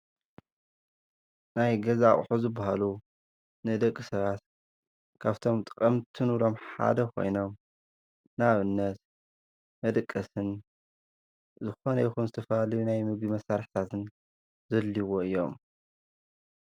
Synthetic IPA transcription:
najɡɐzaχʼħuzɨbːahalu | nɨd̪ɐkʼːɨsɐβat̪ | kʰaβt̪ʰo̞mt̪ʼɨkʼɐmt̪ʰɨnuɾo̞mħa̰d̪ɐkʰo̞̰jno̞m | naβɨnːɐt̪ | mɐd̪ɨkʼːɐsɨn | zɨxonɐjixunzɨt̪ʰɐfɐalɐjunajmɨɡimɐsaɾħt̪ʰat̪ʰɨn | zɐlːiwoɨjːo̞̰m

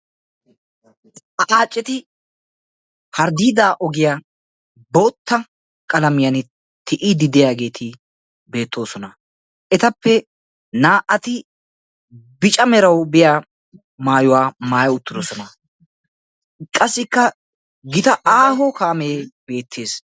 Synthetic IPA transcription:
ɐʔaːt͡ʃʼːɛt̪ɪ | hɐɾd̪iːd̪aːʔɔɡɪjaː | boːt̪ːɐ | kʼɐlɐmɪjɐn | t̪ʰɪʔɪd̪ɪd̪ɪjaːɡe̞ːt̪ʰɪ | be̞ːt̪ːo̞ːsɔnɐ | ʔɛt̪ɐpːɛ | naːʔɐt̪ɪ | bɪt͡ʃʼɐmɛɾɐwbɪjaː | maːjʊwaːmaːjɐʊt̪ːɪd̪ɔsɔnɐ | kʼɐsːɪkːɐ | ɡɪt̪ɐʔaːɦɔkaːmeːb̥e̞ːt̪ʰːe̞ːs

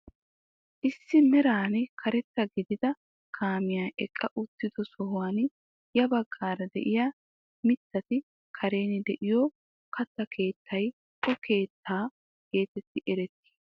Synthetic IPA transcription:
ʔɪsːɪmɛɾaːnkʰɐɾɛt̪ːɐɡɪd̪ɪd̪ɐ | kʰaːmɪjaːʔɛkʼːɐʔʊt̪ːɪd̪ɔsɔɦʊwan | jɐbɐɡːaːɾɐd̪ɛ̰ʔɪjaː | mɪt̪ːɐt̪ɪ | kʰɐɾe̞ːnɪd̪ɛʔɪjo | kɐt̪ːɐkʰe̞ːt̪ʰːɐj | kɔke̞ːt̪ʰːaː | ke̞ːt̪ɛt̪ːɪʔɛɾɛt̪ːi̥ː

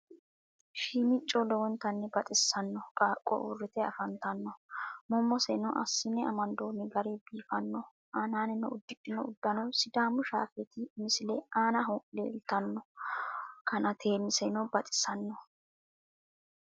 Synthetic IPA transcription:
ʃiːmɪt͡ʃʼːɔlɔwɔnt̪ɐnːɛbɐt̪ʼɪsːɐnːɔkʼaːkʼːɔ̰ʔʊ̰rːɪt̪ɛɐ̰fɐnt̪ɐnːɔmɔmːɔsɛnɔʔɐ̰sːɪnːɛɐmɐnd̪oːnɪɡɐɾebiːfɐnːɔ | ʔaːnaːnɛnːɛʊd̪ːɪt͡ʃʼːɪnɔʊd̪ːɐnɔsɪd̪aːmʊʃa̰ːfɛt̪ɪmɪsɪlɛaːnɐɦʊlḛːlt̪ɐnːɔ | kɐnɐt̪ʰeːmɪsɛnɔbɐt̪ʼɪ̥sɐnːɔ

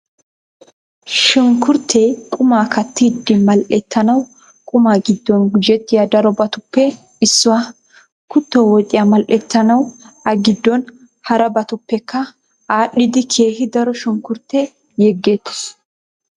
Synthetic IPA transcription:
ʃʊŋkːʊɾt̪ʰːɛkʼʊmaːkɐt̪ːɪd̪ːɪmɐlʔɛt̪ːɐnɐw | kʼʊmaːɡɪd̪ːɔnɡʊd͡ʒɛt̪ːɪjad̪ɐɾɔbɐt̪ʊpːɛ | ɪsːʊwaː | kʊt̪ːɔwɔkʼɪjamɐlʔɛt̪ːɐnɐwʔɐɡɪd̪ːɔn | hɐɾɐbɐt̪ʊpːɛkːɐ | aːɗɪd̪ɪkʰeːhɪd̪ɐɾɔʃʊŋkʊɾt̪ːɛ | jɛɡːeːt̪ːɪ̥s

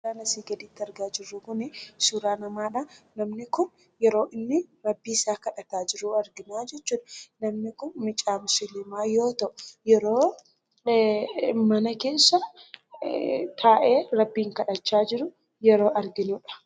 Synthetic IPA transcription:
aːnɐsiːɡɐd̪ɪt̪ːɪɐɾɡaːd͡ʒɪrːʊkʊnɪsuɾaːnɐmaːᶑɐnɐmnɪkʊn | jɛɾo̞ːʔɪnːɪɾɐbːiːɪsaːkɐᶑɐt̪aːd͡ʒɪɾʊɐɾɡɪnaːd͡ʒɛt͡ʃːuːᶑɐnɐmnɪkʊnmɪt͡ʃʼaːmʊsɪlɪmaːjo̞ːt̪ɐʔʊjɛɾoː | mɐnɐke̞ːsːɐ | t̪ʰaːʔeːɾɐbːiːŋkɐᶑɐt͡ʃːaːd͡ʒɪɾʊ | jɛɾo̞ːʔɐɾɡɪnʊᶑɐ̥

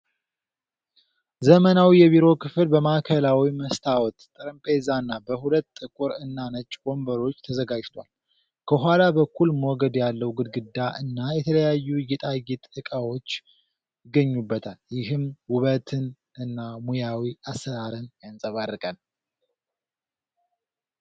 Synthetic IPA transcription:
zəmənawijɛβiɾo̞kʰɨflbəmakʰəlawiməst̪ʰawɔt̪t̪ʼɨɾɨmpʰʼezanːabəhulət̪ːʼɨkʼuɾɨnːanət͡ʃʼːɡo̞mbəɾo̞t͡ʃːt̪ʰəzəɡad͡ʒt̪ʰwa̰l | kʰəɦalabəkʰːulmwoɡəd̪jalːəwɡɨd̪̚ɡɨd̪ːaʔɨnːajɛt̪ʰələjajːujɛt̪ʼajit̪ʼɨkʼawo̞t͡ʃː | ɪɡəɲːubːət̪ʰaljɪɦɨmwʊβət̪ʰɨn | ɨnːamujawiasːəɾaɾɨnjansʼəβarːɨkʼən

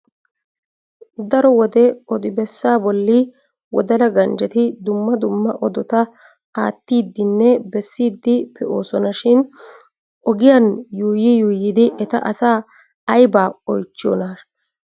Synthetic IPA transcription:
d̪ɐɾɔwɔd̪ɛɔd̪ɪbɛsːaːbɔlːɪ | wɔ̰d̪ɐlɐɡɐnd͡ʒɛt̪ɪd̪ʊmːɐd̪ʊmːɐʔɔd̪ɔt̪ɐ | aːt̪ːiːd̪ːɪnːɛbɛsːiːd̪ːɪpɛʔoːsɔnɐʃɪn | ʔɔɡɪjanjuːjɪjuːjiːd̪ɪʔɛt̪ɐ̰ʔɐsaː | ɐjbaːɔjt͡ʃːɪjo̰ːna

